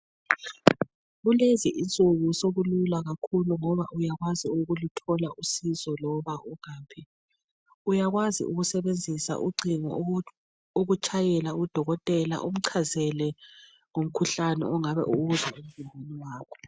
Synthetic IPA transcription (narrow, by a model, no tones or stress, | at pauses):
ɣuleziʔint͡sʼuɣusoβululaɣakʰuluŋɔβaʔujaɣwaziuɣulutʰɔlaʔusizɔlɔβauɣaːpʰi | ujaɣwazḭʔuɣusɛβend͡zʱisa̰ʔuɡ͡ǀiŋɔ̰ | oɣut͡ʃʼʰajɛlaud̥ʱɔɣɔtʼɛla̰ʔum̩ǀʰazɛlɛ | ŋom̩kʰuɬanɛ̰ɔŋaβɛ̰ʔuɣuzaum̩zimʱanɛwaːkʰɔ̥